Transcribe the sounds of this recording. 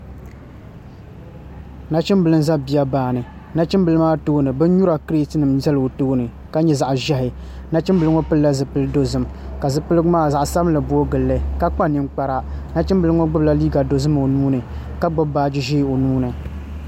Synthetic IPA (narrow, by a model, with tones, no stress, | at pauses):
na˦t͡ʃɪ˦mbɨ˨lɨ˦n˦za˦bi˨ja˦baː˨nɨ˨ | na˦t͡ʃɪ˦mbɨ˨lɨ˦maː˦toː˦nɨ˨bɨ˦n˦ɲu˦ɾa˨kɨ˦ɾi˦tɨ˦nɨ˨mzɛ˦lo˨toː˦nɨ˨ | ka˨˦ɲɛ˦˨za˨ʔʒɛ˦ɦɪ˨ | na˦t͡ʃɪ˦mbɨ˨lɨ˦ŋo˦pɨ˦lla˦zɨ˨pɨ˦lɨ˦do˦zɨ˦m | ka˨zɨ˨pɨ˦lɨ˦ɡʊ˦maː˦˨za˨ʔsa˦bɨ˦mlɨ˨bu˦o˦ɡɨ˨lːɨ˦˨ka˦k͡pa˦nɨ˨ŋ͡mk͡pa˨ɾa˦na˦t͡ʃɪ˦mbɨ˨lɨ˦ŋo˦ɡ͡bʊ˦bla˦liː˦ɡa˨do˨zɨ˦m˨o˨nuː˦nɨ˨ | ka˦ɡ͡bʊ˦baː˨˦d͡ʒɪ˦ʒi˦˨o˨nuː˦nɨ˨